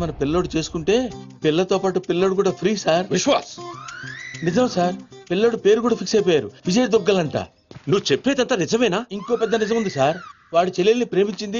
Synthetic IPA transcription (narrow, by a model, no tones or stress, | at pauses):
mɐnɐpilːo̞ːɽut͡ʃe̞ːsu̥kuɳʈe̞ː | pilːɐt̪o̞ːpaːʈupilːoːɽuk̬uːɽaːpʰɾiːsaːɾʋiʃʋaːs | nid͡ʒɐmsaːɾpilːoːɽupe̞ːɾuk̬uːɽaːpʰiksɐjp̬ɔːjaːɾuʋid͡ʒɐjd̪ɔɡːɐlɐɳʈa̰ː | nuʋːut͡ʃepːeːt̪ɐnt̪anid͡ʒɐmɐjnaːiŋko̞ːpɛd̪ːɐnizɐmund̪isaːɾ | ʋaːɽut͡ʃelilɐnipɾe̞ːmiɲt͡ʃind̪i